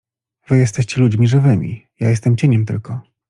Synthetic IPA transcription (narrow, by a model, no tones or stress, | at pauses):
v̥ɘjɛst̪ɛɕt͡ɕɛlud͡ʑmʲiʐɘvɘmʲḭjajɛst̪ɛmt͡ɕeɲɛmt̪ɘ̰lkɔ